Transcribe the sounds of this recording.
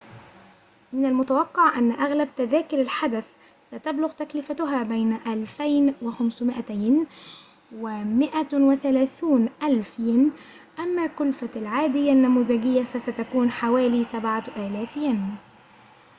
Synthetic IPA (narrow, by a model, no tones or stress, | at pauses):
mɪnalmʊt̪awɑqːɑʕʔanːaʔaɣlab̚t̪aðaːkɪɾalħad̪aθ | sat̪ablʊɣt̪aklɪfat̪ʊɦaːbajnaʔalfajnwɪxamsmɪʔat̪ajn | wɪmɪʔawɪθalaːθuːnʔalfjɪn | ʔamːaːkʊlfalʕaːd̪ɪjːanːamuːðaɡɪjːafasat̪akuːnħawaːliːsabʕaʔaːlaːfjan